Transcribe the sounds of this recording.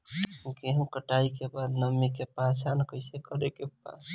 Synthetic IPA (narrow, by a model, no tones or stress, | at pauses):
keɦəmkəʈaikebad̪nəmikepasankəɪsekəɾekep̚a̰s